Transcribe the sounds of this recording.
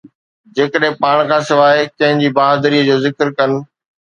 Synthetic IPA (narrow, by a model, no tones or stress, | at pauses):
d͡ʑeːkəɗɦẽpaːɽ̃kʰãːsɪʋaːɦekɐ̃ɦɪ̃ɲd͡ʑiːbaːɦd̪əɾiːəd͡ʑoːzɪkɾkɐnɪ̆